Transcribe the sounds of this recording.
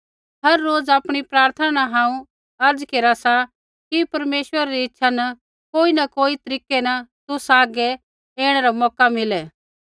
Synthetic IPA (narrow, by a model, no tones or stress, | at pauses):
ɦɐɾːoːd͡zaːpɽ̃ipɾaːɾt̪ʰanaɦãːũ | ɐɾd͡zkeːɾasa | kipɐɾmeːʃwəɾaɾiɪtːʃʰanɐ | koːinɐkoːit̪ɐɾiːkenɐt̪ʊsaːɡɛ | eːɽ̃ɛɾamɔːkamɪlɛː